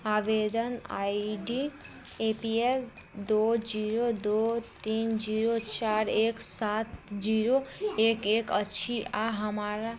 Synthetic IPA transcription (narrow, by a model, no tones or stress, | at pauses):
aʋed̪əna̰iɖiepiel | d̪od͡ʒiɾod̪ot̪ind͡ʒiɾot͡ʃaɾeksat̪d͡ʒiɾoekekəʃʰiaɦəmaɾa